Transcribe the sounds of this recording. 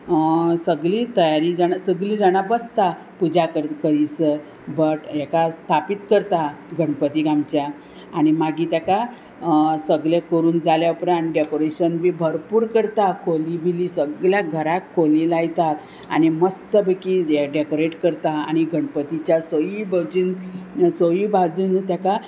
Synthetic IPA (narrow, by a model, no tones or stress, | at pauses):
səɡlit̪əjaɾid͡zanasəɡlid͡zaɽ̃abəst̪a | pud͡zakəɾkəɾisə | bəʈjɛkast̪ʰapit̪kəɾt̪aɡʱəɳpət̪iɡamt͡ɕjaː | ñimaɡʱit̪aka | səɡljekəɾuːnd͡zaljaupɾãnɖekoɾeɕənbibʱəɾpuːɾkəɾt̪akʰolibʱilisəɡljaɡʱəɾakʰːolilajt̪at̪ | a̰ñiməst̪əbekiɖekoɾeʈkəɾt̪aa̰ñiɡʱəɳpət̪it͡ɕjasəjibʱəd͡zuːnsəjibʱad͡zuːnt̪jaka